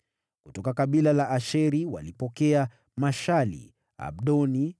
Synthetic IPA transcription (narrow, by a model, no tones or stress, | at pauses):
kutɔkakaɓilalaʔaʃɛɾiwa̰lipɔkɛa | maʃalḭ | a̰ɓ̚ɗɔni